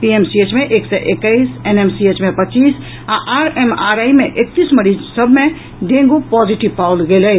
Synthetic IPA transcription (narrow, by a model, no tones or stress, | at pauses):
piemsiet͡ʃmeʔeksɛʔekəɪsenemsiet͡ʃmepətːt͡ʃis | aʔaɾemaɾajmeʔek̚t̪isməɾid͡ʒsəbʱme | ɖẽŋɡupɔd͡ʒiʈipawlɡeləj